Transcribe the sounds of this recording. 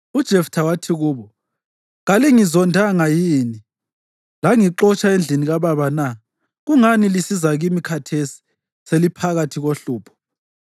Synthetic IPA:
ud̥ʒ̥ʱɛftʰawatʰiɣuːβɔ | ɣaliŋizɔndʱaŋajiːni | laŋiǃɔt͡ʃʰʼaend͡ɮʱiniɣaβaβana | ɣuŋanilisizaɣimikʰatʰesi̥ | selipʰaɣatʰiɣoɬuːpʰɔ̥

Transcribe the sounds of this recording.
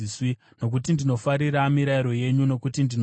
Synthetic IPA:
swi | no̞k̬utindino̞faɾiɾamiɾaiɾo̞je̞ɲuno̞kutindin

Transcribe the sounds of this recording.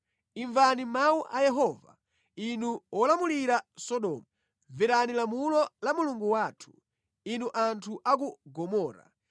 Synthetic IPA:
iɱvanimawuʔajɛɦɔːva̰ | inuwɔlamuliɾasɔɗɔmu | viɾanilamulɔlamuluŋɡuwaːtʰu̥ | inuʔantʰuʔakuɡɔmɔːɾa̰

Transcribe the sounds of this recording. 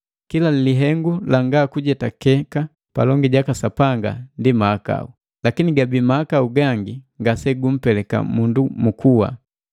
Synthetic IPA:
kilaliliɦɛŋɡulaŋɡaːkuɟɛtakɛka | pa̰lɔŋɡiɟakasapaŋɡa̰ndimaːka̰u | lakiniɡabimaːkauɡaŋɡiŋɡasɛɡum̩pɛlɛka̰mundumukʰuwa̰

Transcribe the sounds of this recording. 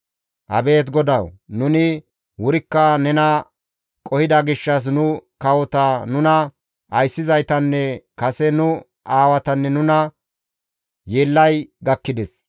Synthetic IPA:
ʔɐ̰be̞ːt̪̬ɡɔd̪ɐwnʊnɪ | wʊɾɪkːɐnɛnɐ | kʼɔhɪd̪ɐɡɪʃːɐs̬nʊkɐwɔt̪ɐnʊnɐ | ɐjsːɪzɐjt̪ɐnːɛkɐsɛnʊ | ʔaːwɐt̪ɐnːɛnʊnɐ | jeːlːɐjɡɐkːɪd̪ɛs

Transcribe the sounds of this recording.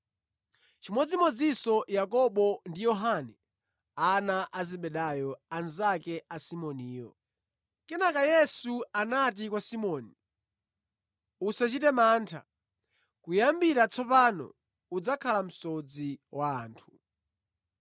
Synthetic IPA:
t͡ʃimɔd͡zimɔd͡zisɔjakɔɓɔndijɔɦanɛ | anaʔazɛɓɛɗajɔanzakɛasimɔniːjɔ̰ | kɛnakajɛsuanat̬ikwasimɔːni | usat͡ʃitɛmaːntʰa̰ | kujambiɾat͡sʰɔpanɔ̰ | ud͡zakʰalam̩sɔd͡ziwaːntʰu̥

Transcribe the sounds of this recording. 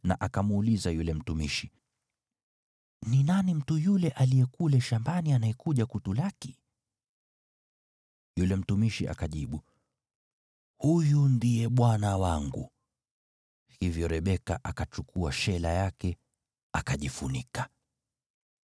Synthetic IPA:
naʔakamuːlizajulɛm̩tumiʃi | ninanim̩tujulɛʔalijɛkulɛʃambanianaɛkuʄakutulaki | julɛm̩tumiʃiʔa̰kaʄiɓu | hujundiɛɓwanawaŋɡṵ | hivjɔɾɛɓɛka̰ʔakat͡ʃukʰuaʃɛlajakɛ | akaʄifunikḁ

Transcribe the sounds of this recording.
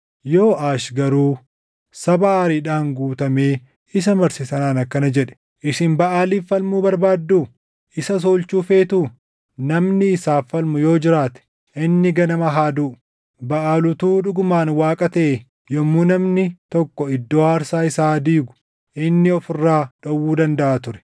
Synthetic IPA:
jo̞ːʔaːʃɡɐɾuː | sɐbaaːɾiːᶑaːŋɡuːt̪ɐme̞ː | ɪs̬ɐmɐɾsɪsɐnaːnɐkːɐnɐd͡ʒɛᶑɛ̥ | ʔɪsɪnbɐʔaːliːfɐlmuːbɐɾbaːd̪ːuː | ʔɪsɐs̬oːlt͡ʃuːfe̞ːt̪uː | nɐmnɪːsaːfɐlmʊjo̞ːd͡ʒɪɾaːt̪ɛ̥ | ʔɪnːɪɡɐnɐmɐɦaːd̪uːʔ | bɐʔaːlʊt̪uːᶑʊɡʊmaːnwaːkʼɐt̪ɐʔe | jɔmːunɐmnɪt̪ɔkːɔɪd̪ːoːhaːɾsaːɪsaːd̪iːɡʊ̥ | ʔɪnːɪɔfɪrːaːᶑɐwːuːd̪ɐnd̪ɐʔaːt̪ʊɾɛ̥

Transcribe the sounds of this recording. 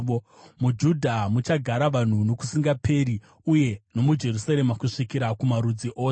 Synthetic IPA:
mud͡ʒudʱamut͡ʃaɡʱaɾaʋan̤uno̞ku̥siŋɡapʰeɾi | uje̞no̞mud͡ʒe̞rusaɾemakuʂikiɾakumaɾud͡ziʔoː

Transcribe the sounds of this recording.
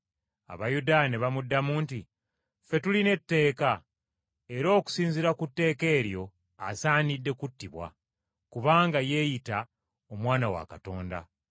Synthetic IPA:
a̰βajudaːneβamudːamuːnti | fe̞tuline̞tːe̞ːka | e̞ɾo̞ːku̥siːnziɾakutːe̞ːke̞ːɾjo̞ | asaːnidːe̞kutːiβwa̰ | kuβaːŋɡaje̞ːjita | omwaːnawa̰kato̞ːnda̰

